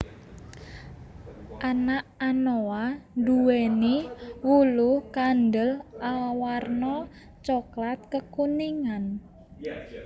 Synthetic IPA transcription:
ʔanaʔanoanduweniwuluhkandəlawarnɔ | t͡ʃɔklat̪̚kəkuniŋan

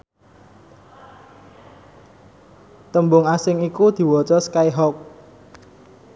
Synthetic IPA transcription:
t̪əmbʊŋasɪŋikud̪̥i̤wɔt͡ʃɔskaiɦɔk̚

